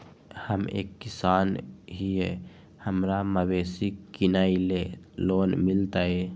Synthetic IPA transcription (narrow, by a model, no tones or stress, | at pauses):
həmḛːkːisaːnɦije | həmɾaməwesikinaileloːnmilt̪ae